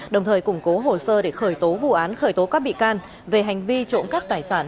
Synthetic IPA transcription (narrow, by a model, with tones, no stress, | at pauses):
ɗə˨˩wŋ͡mt̪ʰəː˨˩jkʊ˧˩ŋ͡mko˨˦ɦo˨˩səː˧ɗe˧˩xəː˧˩jt̪o˨˦vṵ˧˨ʔaː˨˦nxəː˧˩jt̪o˨˦kaː˦˥k̚ɓḭ˧˨kaː˧n | ve˨˩ɦa˨˩jŋ̟vi˧t͡ɕo̰˧˥nkaː˦˥k̚t̪aː˧˩jsaː˧˩n